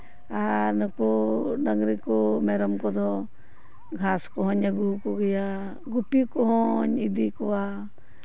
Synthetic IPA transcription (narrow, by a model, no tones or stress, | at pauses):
anɔkɔɖaŋɡɾikɔmɛɾɔmkɔd̪ɔ | ɡʱaskɔɦɔɲaɡukɔɡɛja | ɡupikɔɦɔɲid̪ikɔwa